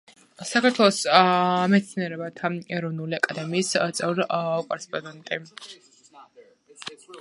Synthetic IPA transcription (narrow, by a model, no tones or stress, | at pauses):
sakʰaɾt̪ʰwɛlˠɔsmɛt̪sʰniɛɾɛbat̪ʰaɛɾɔvnuliakʼad̪ɛmiːst̪sʼɛvɾkʼɔɾɛspʼɔnɛnt̪ʼi